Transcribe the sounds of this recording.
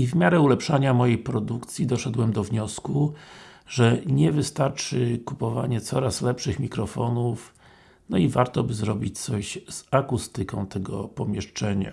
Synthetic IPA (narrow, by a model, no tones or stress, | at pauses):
ivmʲjaɾɛulɛpʂaɲamɔjejpɾɔd̪ukt̪sʲjid̪ɔʂɛd̪wɛmd̪ɔvɲɔsku | ʐɛɲɛvɘst̪aɾt͡ʂɘkupɔva̰ɲɛt̪sɔɾaslɛpʂɘxmʲikɾɔfɔnuf | nɔivaɾt̪ɔbɘzɾɔbʲit͡ɕt̪sɔɕz̥akust̪ɘkɔ̃w̃t̪ɛɡɔ̰pɔmʲjɛʂt͡ʂɛɲa̰